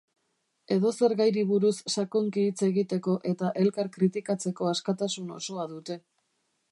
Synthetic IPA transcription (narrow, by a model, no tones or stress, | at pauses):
e̞ðo̞se̞ɾɣajɾiβuɾusːakoŋkiːt͡se̞ɣit̪e̞ko̞ʔe̞t̪aʔe̞lkaɾkɾit̪ikat͡se̞ko̞askat̪asuno̞̰so̞aðut̪e̞